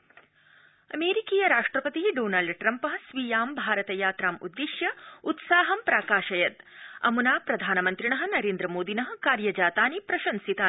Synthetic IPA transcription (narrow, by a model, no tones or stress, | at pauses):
ɐ̰meːɾikiːjɐɾaːʂʈɾɐpɐt̪iɖoːnaːlɖʈɾɐmpɐɦɐsʋijaːmbʱaːɾɐt̪ɐjaːt̪ɾaːmṵd̪ːiʃjɐut̪saːɦɐmpɾaːkaːʃɐjɐt̪ɐ̰munaːpɾɐd̪ʱaːnɐmɐnt̪ɾiɳɐɦɐ̆nɐɾeːnd̪ɾɐmoːd̪inɐɦɐ̆kaːɾjɐd͡ʒaːt̪aːnipɾɐʃɐnsit̪aː